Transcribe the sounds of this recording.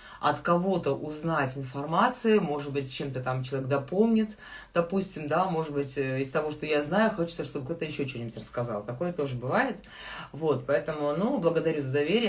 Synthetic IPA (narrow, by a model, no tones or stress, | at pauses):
ɐ̰t̪kɐvo̞t̪əʔʊznatʲɪnfɐrmat̪sɨɪmo̞ʐɨd̪̚bɨtʲt͡ɕe̞mt̪ət̪amt͡ɕɪlˠɐvʲeɡ̚d̪ɐpo̞lˠnʲɪt̪ | d̪̥ɐpusʲtʲɪmd̪amo̞ʐɨd̪̚bɨtʲɪst̪ɐvo̞ʂt̪o̞jaznajʊxo̞t͡ɕɪt̪səʂt̪o̞bɨkt̪ot̪əjɪɕːot͡ɕʲonʲɪbʊtʲrəskɐzɑ̰lˠt̪ɐko̞jət̪o̞ʐɨbɨvajɪt̪ | vo̞t̪pɐɛt̪əmʊnublˠəɡəd̪ɐɾʲuzəd̪ɐvʲeɾʲɪj